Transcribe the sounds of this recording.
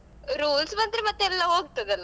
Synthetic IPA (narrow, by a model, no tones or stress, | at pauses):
ɾuːlsmɐnd̪ɾimɐt̪ːeɛlːɐɦoːɡ̚t̪ɐd̪ɐlːɐ